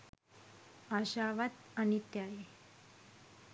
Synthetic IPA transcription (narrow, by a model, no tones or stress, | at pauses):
aɕaʋat̪añit̪jaje